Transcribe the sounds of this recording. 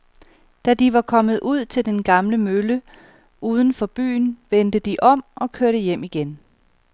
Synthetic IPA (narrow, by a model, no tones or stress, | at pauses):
d̥æd̥iʋɑ̈kʰɒ̽mð̩ˠʔuð̞̰ˠt͡sʰe̝ld̥enɡ̥ɑ̈mləmølə | ʔuːð̞ˠn̩fɒ̽b̥y̰ːnʋend̥əd̥iʔɒ̽m̰ʔɒ̽kʰøɐ̰ɾəjem̰iɡ̥en